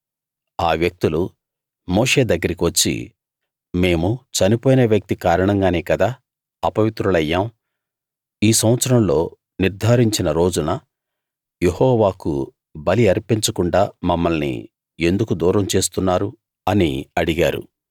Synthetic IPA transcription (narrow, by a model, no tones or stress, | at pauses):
aːʋjɐk̚t̪ulu | moːʂe̞ːd̪ɐɡːɐɾikiʋɐt͡ʃːḭ | me̞ːmut͡ʃɐnipo̞ːjneːʋjɐk̚t̪ikaːɾɐɳɐŋɡaːneːkɐd̪aː | ɐpɐʋit̪ɾulɐjːaːm | iːsɐ̃w̃ɐt̪sɐɾɐmlo̞ː | niɾd̪ʱaːɾiɲt͡ʃinɐɾo̞ːd͡ʒunɐ | je̞hɔːʋaːkṵ | bɐliɐɾpiɲt͡ʃɐkuɳɖaːmɐmːɐlnḭ | e̞nd̪ukud̪uːɾɐmt͡ʃe̞ːs̬t̪unːaːɾu | ɐnḭɐɽiɡaːɾṵ